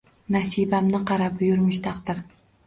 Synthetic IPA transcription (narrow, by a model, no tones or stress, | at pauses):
nasibamnɪqʰɑɾap̚jʊɾmɪʃt̪ʰɑqd̪ɪɾ